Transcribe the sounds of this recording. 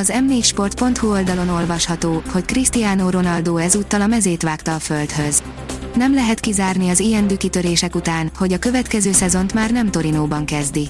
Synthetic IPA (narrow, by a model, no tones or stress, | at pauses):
ɒzɛmneːt̪ʃpo̞rt̪̚po̞nt̪huo̞ld̪ɒlo̞no̞lvɒʃhɒt̪oːho̞ckrist̪ijaːnoːɾo̞nɒld̪oːɛzuːt̪ːɒlɒmɛzeːt̪ʋaːkt̪ɒːfø̞lt̪hø̞z | nɛmlɛɦɛt̪kizaːrniɒzijɛnd̪ykit̪ø̞ɾeːʃɛkut̪aːnho̞ɟɒkø̞vɛt̪kɛzøːsɛzo̞nt̪maːrnɛmt̪o̞ɾinoːbɒŋkɛzd̪i